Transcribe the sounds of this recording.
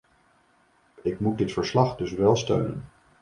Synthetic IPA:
ɪkmut̚dɪtfəɹslɑχdɵsʋɛlˠstø̰ɥnə̰n

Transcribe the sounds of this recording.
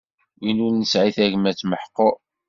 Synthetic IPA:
winulnəsʕiθæʝəmæt͡sːməħqːo

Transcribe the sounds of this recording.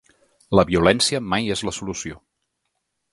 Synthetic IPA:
ləβiulɛnsiəmajezləsulusio

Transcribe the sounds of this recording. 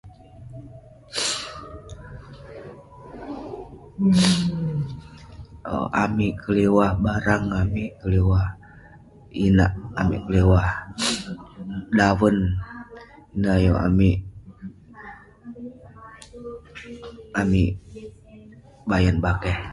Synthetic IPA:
a̰miʔkəlewahbaɾaŋamikəlewah | inaʔamḭʔkəlewah | dawən | inajoa̰miʔ | ami | bajanbakɛh

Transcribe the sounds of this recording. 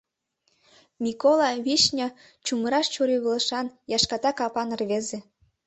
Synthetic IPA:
mʲikolˠɑβiʃnʲɑ | t͡ɕuməɾɑʃt͡ɕuɾyɣɤlˠɤ̆ʃɑnjɑʃkɑt̪ɑkɑpɑnɤ̆rβeze

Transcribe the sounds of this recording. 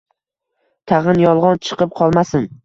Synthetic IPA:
t̪ʰaʁɨnjɒlˠʁɒnt͡ʃʰɨ̥qʰɨp̚qʰɒlˠmasɪn

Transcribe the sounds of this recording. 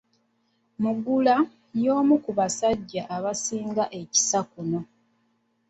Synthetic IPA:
muɡula | jo̞ːmukuβasaɟːaʔːβasiːŋɡaʔe̞ci̥sakuno̞

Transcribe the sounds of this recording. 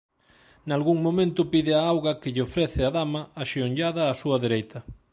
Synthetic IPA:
nalɣuŋmõmẽnt̪ʊpiðɪaawɣɐkɪʎɪofɾeθɪaðamɐaʃioɲʎaðɐːsuɐðeɾejt̪ɐ

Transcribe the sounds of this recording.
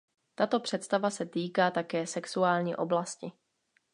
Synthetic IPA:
t̪at̪o̞pr̥ɛt̪st̪avasɛt̪iːkaːt̪akɛːsɛksuaːlɲḭːʔo̞̰blascɪ

